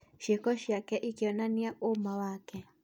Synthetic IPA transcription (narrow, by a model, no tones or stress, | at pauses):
ʃekɔʃjakɛʔikiɔnaniaomawakɛ